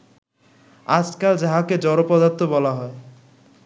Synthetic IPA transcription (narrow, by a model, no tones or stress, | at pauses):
ad͡ʑkald͡ʑaɦaked͡ʑɔɾopɔd̪aɾt̪ʰːobɔlaɦɔe